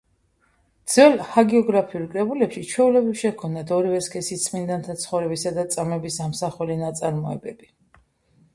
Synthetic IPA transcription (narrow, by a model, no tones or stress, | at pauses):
d̪z̥wɛlhaɡɛɔɡɾapʰiuɾkʼɾɛbulɛpʃit͡ʃʰɛulɛbɾifʃɛkʰɔmnat̪ʰɔɾivɛskʰʼɛsit̪sʰʼmind̪ant̪ʰat̪sʰχɔvɾɛbisad̪at̪sʼamɛbisamsaχɛlinat̪sʼaɾmɔɛbɛbi